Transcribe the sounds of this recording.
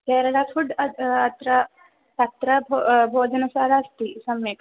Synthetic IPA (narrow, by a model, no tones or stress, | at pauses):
kɛːɾɐɽaːpʰuɖɐːt̪ɾɐ | t̪ɐt̪ɾɐbbʱoːd͡ʒɐnɐsaːɾaːst̪isɐmeːk